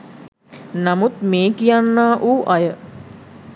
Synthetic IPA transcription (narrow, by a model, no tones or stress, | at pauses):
namut̪meːkijanːaːʔuːʔajə